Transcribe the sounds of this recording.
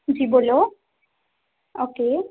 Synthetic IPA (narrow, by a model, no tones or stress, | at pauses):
d͡ʒibolo | oke